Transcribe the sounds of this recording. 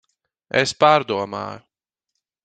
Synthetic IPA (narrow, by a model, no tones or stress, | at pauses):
ḛspaːɾd̪uɔma̰ːjʊ